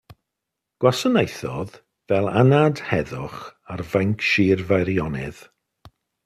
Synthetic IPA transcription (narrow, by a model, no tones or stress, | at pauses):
ɡ̥wasɔnejθɔð | vɛlˠanadhɛðʊχarvaŋkʰʃiːrvajɾjɔnɪ̰ð̥